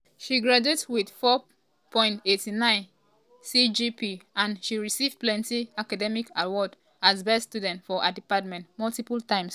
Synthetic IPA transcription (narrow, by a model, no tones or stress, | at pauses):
ʃiɡɹad͡ʒetwið̥fɔ | pʰɔ̃ɪ̃ntetinãɪ̃n | sid͡ʒipiʔãnʃiɹisivplɛ̃ntiakadɛmikawɔd | azbɛsstudɛ̃ntfɔʔadipat̚mɛ̃ntmɔltipultãɪ̃ms